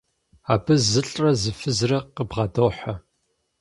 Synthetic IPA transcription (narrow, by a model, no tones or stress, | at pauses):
aːbɨzɨɬʼrɐzɨfɨzrɐqəbʁɑdoħa